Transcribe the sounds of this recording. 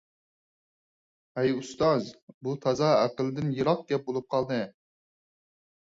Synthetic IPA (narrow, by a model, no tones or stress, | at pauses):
ɛjust̪ɑzbut̪ʰɑzɑæqəlˠɨd̪ɪnjɨɾɑq̚ɡ̪̥ʲɛp̚bolˠup̚qʰɑlˠd̪ɨ